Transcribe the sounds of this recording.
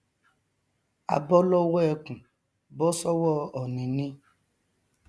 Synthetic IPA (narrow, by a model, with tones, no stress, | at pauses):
a̰˨bɔ˦lɔ˦wɔ˦ɛ˦˧kũ˨ | bɔ˦sɔ˦wɔ˦ɔ˨nĩ˨nĩ˦